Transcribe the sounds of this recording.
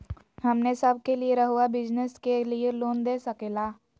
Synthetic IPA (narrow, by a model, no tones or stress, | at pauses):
hɐmnesəb̚kelieɾəɦuabɪd͡ʒnəskelieloːnd̪eːsɐkeːlaː